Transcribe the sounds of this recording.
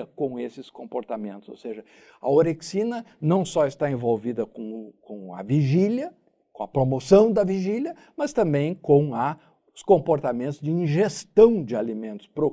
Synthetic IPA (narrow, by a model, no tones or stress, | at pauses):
ɐkõw̃esɪskõmpoɾt̪amẽnt̪ʊz̥o̰wseʒɐ | ɐ̰oɾeksinɐnɐ̃w̃sɔɪst̪aẽvowvid̪ɐkõkõɐ̰viʒiljɐ | kõɐpɾomosɐ̃w̃d̪ɐviʒilʲjɐ | mɐst̪ɐ̃mbẽj̃kõw̃ɐ | skõmpoɾt̪amẽnt̪ʊzd͡ʒɪĩʒest̪ɐ̃w̃d͡ʒɪalimẽnt̪ʊ̥spɾo